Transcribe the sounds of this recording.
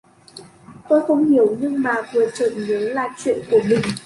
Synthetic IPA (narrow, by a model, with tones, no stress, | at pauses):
t̪o˧jxə˧wŋ͡mhi˧˩əwɲɨ˧ŋmaː˨˩vɨ˨˩ət͡ɕə̰ː˧˨nzə˨˦nlaː˨˩t͡ɕwḭ˧˨ənku˧˩əmï˨˩ŋ̟